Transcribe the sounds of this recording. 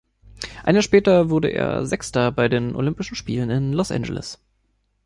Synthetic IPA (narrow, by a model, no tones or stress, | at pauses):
ʔa̰ɪnjaːʃpɛːtɐvʊɐdəʔḛːɐzɛkstɐbaɪdeːnʔo̰lʏmpɪʃn̩ʃpiːlənɪnlɔsʔɛ̰nd͡ʒə̰lɪ̰s